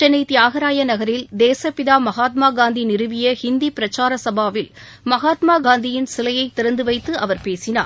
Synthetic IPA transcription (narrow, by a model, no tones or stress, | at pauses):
t͡ʃɛnɐɪt̪ːɪaːɣɐɾaːjɐnɐɣɐɾɪld̪eːsɐpɪðaːmɐɣaːt̪maːɡaːnd̪inɪɾɯʋɪjɐhɪnd̪ipɪɾɐt͡ʃːaːɾɐsɐbaːʋɪlmɐɣaːt̪maːɡaːnd̪ɪjɪnsɪlɐjɐɪt̪ːɪɾɐnd̪ɯʋɐɪt̪ːɯʔɐʋɐɾpeːsɪna̰ː